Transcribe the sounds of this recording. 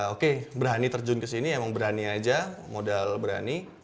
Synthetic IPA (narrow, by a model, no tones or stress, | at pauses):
okebəɾɦanit̪ərd͡ʒʊnkəsiniaemaŋbəɾaniad͡ʒamodalbəɾa̰ni